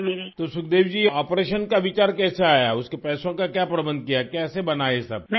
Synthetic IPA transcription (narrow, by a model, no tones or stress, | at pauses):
t̪osʊk̚d̪eːʋd͡ʒiːɔːpɾeːʃənkaʋɪt͡ʃaːɾkɛːseaːja̰ʊskepɛːsõkakjaːpɾɐbə̃nd̪̚kijakɛːsebɐnaːesɐ̰b